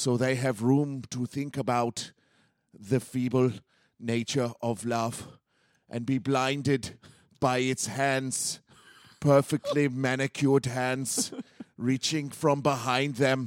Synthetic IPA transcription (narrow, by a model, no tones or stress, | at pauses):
soʊðeɪɨvɹũːmtʰəθɪ̃ŋkəbaʊt | ðɨfiːbəl | neɪt͡ʃə˞ɔvlʌv̥ | ʔɨ̃nbiblãɪ̃ndɪd | b̥aɪɪtshæ̃ndz̥ | pʰɜ˞fɪk̚tʰˡlimænɨkʰjɔdɦæ̃ndz̥ɹit͡ʃɪ̃ŋfɹɔ̃mbɪɦãɪ̃nd̪ðɛ̃m